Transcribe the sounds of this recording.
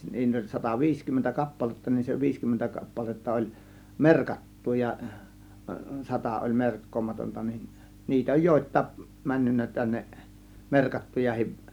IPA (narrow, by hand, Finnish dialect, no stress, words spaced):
niːt olʲ sɑtɑʋiːskymːentæ kɑpːɑletːɑ nin se ʋiːskymːentæ kɑpːɑletːɑ olʲ merkɑtːu jɑ sɑtɑ olʲ merkːoːmɑtontɑ nin niːtæ oj joˑe̝tˑɑˑe̝k mænːynːæ tænːeʔ merkɑtːujɑhiʋ